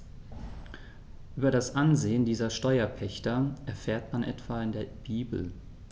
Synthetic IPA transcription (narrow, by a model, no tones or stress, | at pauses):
ʔyːbɐɾasʔanzeːəndiːzɐʃtɔʏɐpʰɛçtɐʔɛɐfeːɐtmanʔɛ̰tv̥aɪndeːɐb̥iːbl̩